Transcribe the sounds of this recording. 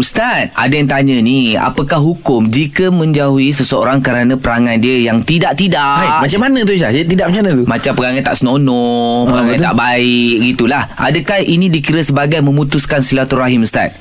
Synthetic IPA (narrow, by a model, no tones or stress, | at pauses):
ust̪at̪̚a̰dajaŋt̪aɲənia̰pəkahɦukʊmd͡ʒikəmə̃ɲd͡ʒauis̬əsəo̰ɾaŋkəɾanə̃pəɾaŋãndiəjaŋt̪idaʔt̪idaajmat͡ʃamanə̃t̪̬usat̪idaʔmat͡ʃanə̃t̪umat͡ʃampəŋaŋant̪a̰ʔsənonɔ̃pəɡaŋaant̪a̰ʔbaɪʔɡit̪ulahʔa̰dəkahinĩdikiɾəsəbaɡajmə̃mũt̪uskansilat̪uraɦimust̪a̰t̪̚